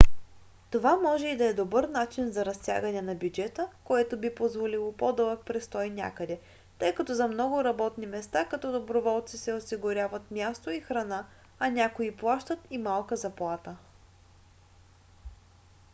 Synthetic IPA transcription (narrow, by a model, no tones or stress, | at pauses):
t̪ovamɔʒɛid̪ɐɛd̪obəɾnat͡ʃinzɐɾɐst̪ʲja̰ɡənɛnɐbʲjud͡ʒɛt̪əkoɛt̪obipozvolilˠopod̪ɤlˠək̚pɾɛst̪ɔjnʲa̰kəd̪ɛ | t̪ɤjkɐt̪ɔzɐmnɔɡʊɾɐbɔt̪nimɛst̪akɐt̪ɔd̪obɾovɔlˠt̪sisɛosiɡʊɾʲjavɐt̪mʲjast̪oixɾɐna | ɐnʲakoiplˠaʃt̪ət̪imalˠkəzɐplˠat̪ə